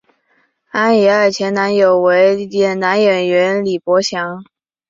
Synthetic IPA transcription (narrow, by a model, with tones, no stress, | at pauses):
a˥nɛ˧˥ə˞˥˩t͡ɕʰjɛ˧˥nna˧˥njo˨˩ʊwe˧˥ɪjɛ˨˩nna˧˥nɥɛ˨˩nɥɛ˧˥nli˨˩pwɔ˧˥ɕjɑ˧˥ŋ